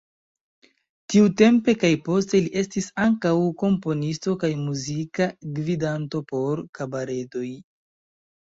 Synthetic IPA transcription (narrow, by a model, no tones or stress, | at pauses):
tiute̞mpe̞kajpo̞ste̞liʔe̞stisaŋkawko̞mpo̞nisto̞kajmuzikaɡvidanto̞po̞ɾkabaɾe̞do̞j